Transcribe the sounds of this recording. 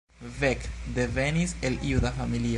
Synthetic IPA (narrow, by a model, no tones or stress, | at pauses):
vɛkd̪eveniseliuðafamili